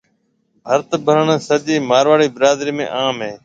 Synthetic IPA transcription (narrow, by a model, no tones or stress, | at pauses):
ɦəɾt̪bʱəɾəɳsəʄiːmaːɾʋaːɽiːbɪɾaːd̪ɾiːmḛ̃ːʔaːmɦẽː